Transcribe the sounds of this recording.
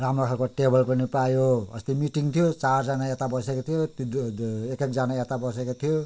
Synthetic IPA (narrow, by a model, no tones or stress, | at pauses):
ramrʌkʰarkoʈebʌlpʌnipajoʌ̰st̪imiʈiŋt̪ʰijot͡sard͡zanaet̪abʌsekot̪ʰijot̪ekek̚d͡zanaet̪abʌsekot̪ʰijo